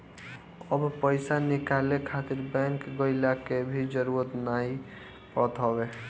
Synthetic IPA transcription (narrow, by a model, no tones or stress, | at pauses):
əbpəɪsanikalekʰat̪iɾbɛ̃ŋkɡəɪlakebʱid͡ʒəɾuɾət̪naɦi | pɔt̪ɦɔbe